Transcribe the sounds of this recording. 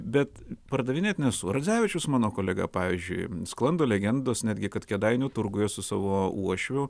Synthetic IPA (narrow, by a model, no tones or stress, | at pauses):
bʲɛt̪pɐrd̪ɐʋʲɪnʲeːt̪ʲnʲɛsʊɾɐd͡z̪ʲæːʋʲɪt͡ʃʲʊsmɑːnoːkoːlʲɛɡɐ̰pɑːʋʲizʲd͡ʒʲʊ̰ɪsklˠɐnd̪oːlʲɛɡʲɛnd̪oːsnʲæːd̪ʲɡʲɪkɐt̪kʲɛd̪ɐɪnʲʊːt̪ʊrɡʊjɛsʊsɑːʋoːuɔʃʲʋʲʊ